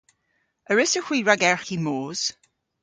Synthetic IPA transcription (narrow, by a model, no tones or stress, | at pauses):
əɹɪsəxwiːɹaɡɛɹximoːz̥